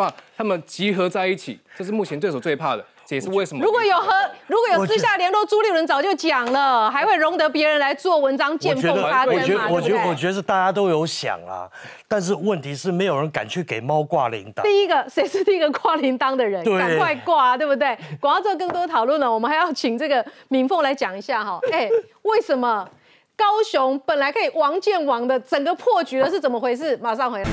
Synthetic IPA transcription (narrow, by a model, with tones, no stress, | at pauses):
wa˥˧˩t̪ʰa˥mə˨nt͡ɕi˧˥xɤ˧˥t͡sa˥˧ɪi˥˩t͡ɕʰḭ˨˩ʈ͡ʂɤ˥˧ʂ̬ɻ̩˥˧mu˥˩t͡ɕʰɛ˦nt̪we˥˩ɪo˨˩twɪpʰa˥˩d̪ə˩t͡sɛ˨˩ʂ̩˥˧we˥˩ɪʂə˧˦mɻu˧˥kwɔ˨˦jo˨˩ʊxə˧˥ɻu˧˥kwɔ˦jo˨˩sɹ̩˥ɕ̬ja˥˩ljɛ˧˥nlwɔ˥˩t͡su˥lji˥˩ɻə˧˥nt͡sɑ˨˩ʊt͡ɕjo˥˩ʊt͡ɕjɑ˨˩ŋlə˦xa˧˥ɪxwe˥˩ɪɻʊ˧˥ŋt̪ɤ˧˥pjɛ˧˥ɻə˧˥nla˧˥ɪt͡swɔ˥˩wə˧˦nʈ͡ʂɑ˥ŋt͡ɕjɛ˥˧nfɛ˧o˦˥d̪ʰa˥˨˥ɛ˧˦wɔ˨˩ɛ˦wɔ˨˩t͡ɕɥɛ˧˥d̪ə˧t̪a˥˧t͡ɕja˥t̪̬o˥ʊjo˧˥ʊɕjɑ̰˨˩ŋɐ̰˨˩ | t̪a˥˧nʂ̬ɻ̩˥˧wə˥˩nt̪ʰi˧˥ʂɻ̩˥˩me˧˥ɪjo˨˩ʊɻə˧˦nka̰˨˩nt͡ɕʰy˥˩ke˨˩ɪmɑ˦ʊkwa˥˩lḭ˧˦nt̪t̪i˥˩i˦˥ɡə˨ʂe˧˥ɪʂɻ̩˥˧t̪i˥˨i˥ɡə˧kwa˥˩li˧˥nt̪ɑ˥ŋd̪ə˨ɻə˧˦nwe˧˥kʰwa˥˧ɪkwa˥˩t̪we˥˧ɪbu˧t̪we˥˩ɪkt͡sɤ˥˩˧k̬ɤ˥˧ŋt̪wɔ˥t̪ʰɑ˨˩ʊlwə˥˩nlə˩wɔ˨˩mə˦nxa˧˥ɪjɑ˥˩ʊt͡ɕʰi˨˩ŋt͡sɤ˥˩ɡə˩mi˨˥ŋfo˥˩ŋla˧˥ɪt͡ɕjɑ˨˩ŋi˧˥ɕja˥˩xɔ˨˩e˥˩ɪwe˥˩ɪʂə˨˦nmə˧ | kɑ˥ʊɕʊ˧˦˥ŋpə˨˩nla˧˥ɪkʰə˧˥i˨˩wɑ˧˥ŋt͡ɕjɛ˥˩nwɑ˨˩ŋd̪ə˧t͡sə˨˩ŋɡə˦pʰɔ˥˩t͡ɕy˨˥d̪ə˦ʂɻ̩˥˩t͡sə˨˩mə˦xwe˧˥ɪʂ̬ɻ̩˥˩ma˨˩ʂ̬ɑ˥˩ŋxwe˧˥la˥